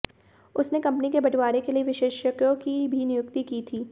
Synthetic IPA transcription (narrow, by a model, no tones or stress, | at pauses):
ʊsnekɐ̃mpnikebɐʈwaːɾekelieʋɪʃeːʃəkjõkibʱinɪjʊkt̪ikiːt̪ʰiː